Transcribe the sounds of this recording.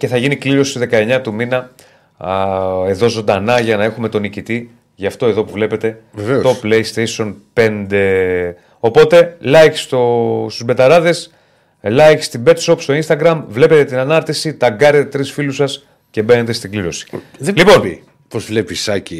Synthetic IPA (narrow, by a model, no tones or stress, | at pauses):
ce̞θɐʝinikliɾo̞sit̪ðe̞kɐe̞ɲɐt̪uminɐ | e̞ðo̞zo̞nd̪ɐnɐʝɐnɐe̞xume̞t̪o̞nicit̪i | ʝɐft̪o̞e̞ðo̞puvle̞pe̞t̪e̞veveot̪ople̞jst̪eso̞npe̞nd̪e̞ | o̞po̞t̪e̞lɐjç̥st̪ost̪uzbe̞t̪ɐɾɐðe̞s | lɐjst̪ibe̞t̪so̞pst̪o̞inst̪ɐɡɾɐmvle̞pe̞t̪et̪inɐnɐɾt̪isit̪ɐɡɐɾet̪et̪ɾisfilusɐs | ce̞be̞ne̞t̪est̪iɡliɾo̞si̥ | lipo̞n | pozvlepisɐci